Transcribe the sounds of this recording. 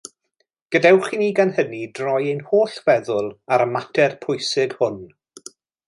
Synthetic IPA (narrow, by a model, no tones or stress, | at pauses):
ɡ̥ədawχiniːɡanhənidrɔjejnhoːɬvɛðʊlˠaɾəmatʰɛrpʰʊjsɪɡhʊn